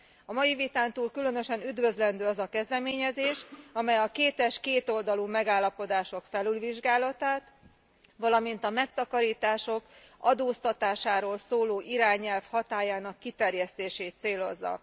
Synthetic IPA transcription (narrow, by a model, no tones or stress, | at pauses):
ɒmɒjivit̪aːnt̪uːlkylønø̞ʃɛnyd̪vø̞zlɛnd̪øːɒzɒkɛzd̪ɛmeːɲɛzeːʃɒmɛjɒkeːt̪ɛʃkeːt̪o̞ld̪ɒlumɛɡaːlːɒpo̞d̪aːʃo̞kfɛlylviʒɡaːlɒt̪aːt̪ | ʋɒlɒmint̪ɒmɛkt̪ɒkɒɾiːt̪aːʃo̞kɒd̪oːst̪ɒt̪aːʃaːɾoːlsoːloːʔiɾaːɲɛlfhɒt̪aːjaːnɒkːit̪ɛrjɛst̪eːʃeːt̪seːlo̞zːɒ̰